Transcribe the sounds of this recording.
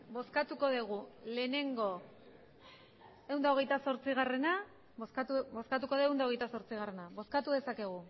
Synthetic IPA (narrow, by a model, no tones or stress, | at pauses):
bo̞skat̪uko̞ðeɣ̞ule̞ːne̞ŋɡo̞ | e̞wnd̪aoɣ̞e̞jt̪aso̞ɾt͡siɣ̞are̞na | oskat̪ubo̞skat̪̬uko̞ðoewnd̪aoɣjt̪aso̞ɾt͡siɣ̞are̞naβo̞skat̪uðe̞sake̞ɣ̞u